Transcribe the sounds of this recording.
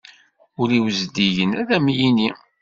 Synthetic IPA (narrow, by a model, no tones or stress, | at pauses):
ʊɾiwəzd̪iʝənæðæmjini